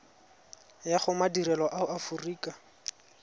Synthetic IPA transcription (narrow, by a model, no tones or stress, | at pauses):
jaχʊmadiɾɛlɔʔaʊʔafʊriːka